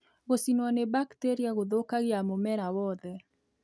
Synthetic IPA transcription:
ɣosinwɔnebakteɾiaɣoðokaɣeamomɛɾawɔðɛ

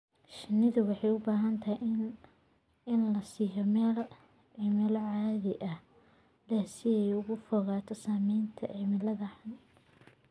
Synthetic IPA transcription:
ʃɪnːɪðʊwɑħɑjʊbaːɦɐnt̪ʰɐhi | ɪnlɐsiːjɔmɛːl | ʕɪmɪlʕaːðɪʔɐ | lɛsɪɛjʊɣʊfɔɣaːt̪ʰɔsaːmɛjnt̪ʰɐ̰ʕɪmɪlɐðɐħɑn

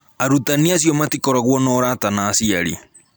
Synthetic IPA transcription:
aɾutaniasjɔmatikɔɾaɣwɔnɔːɾatanaːsiaɾḭ

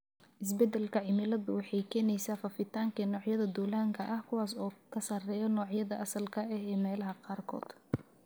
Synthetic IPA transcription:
ʔɪs̬bɛd̪ɛlkʰɐʕɪmɪlɐðʊwɑħɑjkʰɛːnɛjsaːfɐfɪt̪ʰaːŋkʰɐnɔːʕjɐðɐd̪ulaːŋkʰɐʔɐhkʰʊwɑːsɔːkʰɐsɐrɛːjɔnɔːʕjɐðɐʔɐsɐlkʰɐɛɦɛːmɛːlɐɦɐqɑːrkʰɔ̰ːd̪̥

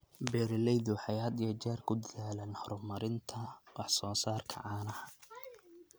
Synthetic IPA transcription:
bɛːɾɪlɛjðʊħɑjɐd̪ijɐt͡ʃaːrkʰʊd̪ɐðaːlɛːnhɔɾʊmɐɾɪnt̪ʰɐwɑħsɔːsaːrkʰɐ̰ʕɑːnɐhɐ

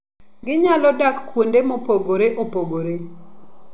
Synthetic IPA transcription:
ɡɪɲalɔdakːwondemopoɡoɾeʔopoɡoɾe

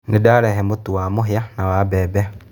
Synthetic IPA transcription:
nedaːɾɛɦɛmotuwamoɦianawabɛːbɛ

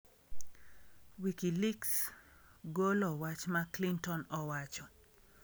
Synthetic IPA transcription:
wikiliks | ɡolɔwat͡ʃmaklintɔnɔwat͡ʃɔ

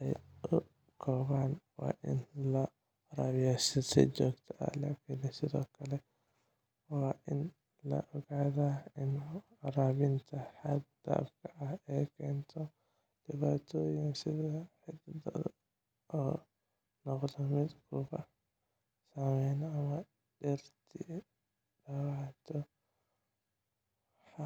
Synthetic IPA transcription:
ʔɛjʔʊ | kʰɔːβaːnwa̰ːʔɪ̰nlɐ | ɾaːβɪjasɐsɛ̰d͡ʒɔːɡt̪ʰɐʔɐ̰la̰ːkʰɪnsɪðɔ̰ːkʰɐlɛ | waːʔɪn | lɐ̰ʔɔɣaːðaɪn | ɐɾaːβɪnt̪ʰɐħad̪̚d̪a̰ːfkʰɐʔɐhɛjkʰɛːnt̪ʰɔ | d̥ɪβaːt̪ʰɔːjɪnsɪðɐħɪd̪d̪̰ | ɔː | nɔqlɐmɪd̪kʰʊbɐ | samɛnɐmɐ | dɛɾt̪ʰi | dɐwat̪ʰɔ | w | ħa

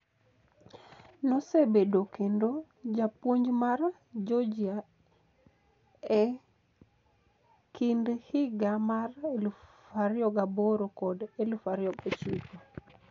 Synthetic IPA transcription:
nɔsebedokendo | d͡ʒapwoɲd͡ʒmaɾ | d͡ʒod͡ʒia | ɛ | kʰindhiɡamarelufaɾjɔɡaboɾokɔdelufaɾjɔɡet͡ʃiko

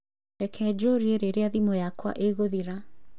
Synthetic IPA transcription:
ɾɛkʰɛd͡ʑoɾieɾeɾeaðimojakwa̰ʔeɣoðiɾa

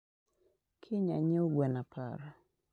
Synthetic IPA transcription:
kʰɪɲaɲoɡwɛnapa̰ɾa

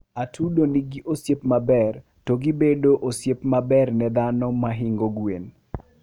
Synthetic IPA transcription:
atʰudoniɡiʔosjepmabɛr | toɡibedoʔosjepmabɛrnɛd̪anɔmaɦɪŋɡoɡwen

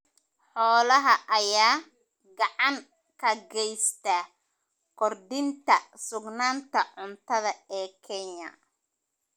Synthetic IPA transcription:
ħɔːlɐɦɐʔɐjaː | ɡɑʕɑŋ | kʰɐɡɛjst̪ɐ | kʰɔrd̪ɪnt̪ʰɐsʊɡnaːnt̪ʰɐʕʊnt̪ʰɐðɐɛːkʰɛɲɐ̰

